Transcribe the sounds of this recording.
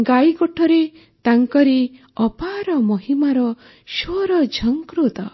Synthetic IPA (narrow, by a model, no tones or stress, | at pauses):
ɡajɡɔʈʰɔɾe | t̪aŋkɔɾe | ɔpaɾɔmɔɦimaɾɔ | ʃoɾɔd͡ʒʱɔŋkɾut̪ɔ